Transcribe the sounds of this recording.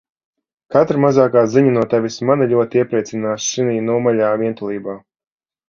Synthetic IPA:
kat̪ɾamazaːkaːziɲanuɔt̪ɛvismaniʎʲuɔt̪ʲiɛpɾɛt̪sinaːʃʃiniːnuɔmaʎʲaːviɛnt̪ulˠiːbaː

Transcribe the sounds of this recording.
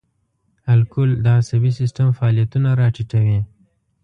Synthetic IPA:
alkʊld̪əasabisɪsʈəmfaɑlijat̪unaɾɑʈiʈawi

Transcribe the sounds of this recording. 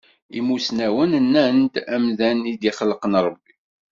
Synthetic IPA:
ḭmusnæwənənːænt̪æmðænid̪iχəlːqənɾˤəbːi

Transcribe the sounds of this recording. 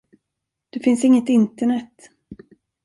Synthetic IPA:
d̪̥ɵfɪnsɪŋːət̪ɪnt̪əɳɛt̪ː

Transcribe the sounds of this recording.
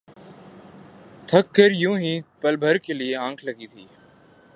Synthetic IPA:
t̪ʰəkːəɾjũːɦĩːpəlbʱəɾkeːlɪeːãːŋkʰləɡiːt̪ʰiː

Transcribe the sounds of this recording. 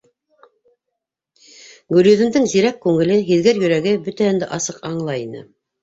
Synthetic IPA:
ɡʉɾʲjɵ̆ðɘ̆md̪ɘŋziɾækːʉŋɘ̆lɘɦiðɡɘɾjɵ̆ɾæɡɘbɵt̪æɘ̆nd̪ɘʔɑsɤqɑɴlˠɑinɘ̰

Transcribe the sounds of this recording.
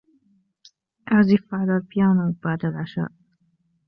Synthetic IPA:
ʔaʕzifaʕlalfɪjaːnab̥aʕd̪alʕaʃa̰ːʔ

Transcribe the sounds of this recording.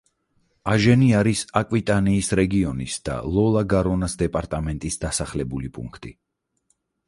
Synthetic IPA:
aʒɛniaɾisakʼwit̪ʼaniːsɾɛɡiɔnisd̪̥a̰lˠɔlˠaɡaɾɔnasd̪ɛpʼaɾt̪ʼamɛnt̪ʼisd̪asaχlɛbulipʼṵŋkʰt̪ʼi

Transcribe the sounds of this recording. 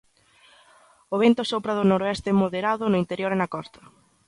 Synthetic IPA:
oβ̞ent̪ʊsopɾɐðʊnoɾoɛst̪ɪmoðeɾaðʊnʊint̪eɾjoɾenɐkɔst̪ɐ̥

